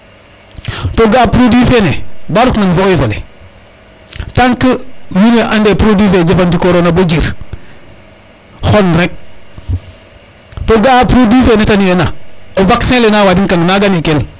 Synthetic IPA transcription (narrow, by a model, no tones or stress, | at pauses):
toɡapɾodwifenebaɾukmanvoivolḛ | taŋkəminweʔandepɾodifed͡ʒifandikoɾonabod͡ʒiɾ | xonɾek̚ | toɡapɾodwifenetanenaovaksẽlenawadiŋkaŋnaɡanikeni